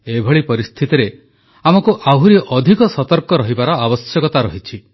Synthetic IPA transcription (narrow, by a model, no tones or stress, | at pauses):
ebʱɔɭipɔɾist̪ʰit̪iɾe | amɔkuʔaɦuɾiʔɔd̪ʱikɔsɔt̪ɔɾkɔɾɔɦibaɾɔabɔsjɔkɔt̪aɾɔɦit͡ʃʰi